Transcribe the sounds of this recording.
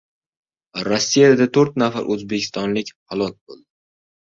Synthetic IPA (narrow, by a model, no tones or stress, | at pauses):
ɾɒsːijad̪at̪ʰoɾt̪nafa̰ɾʔɵzbekʲʰɪst̪ɒnlɪkʲhalˠɒk̚ʲbolˠd̪ɪ